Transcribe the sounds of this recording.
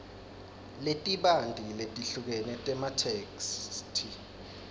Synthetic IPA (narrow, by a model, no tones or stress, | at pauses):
letʼiɓandʱiletʼiɬuk̬ɛnɛtʼɛmatʰekstʰi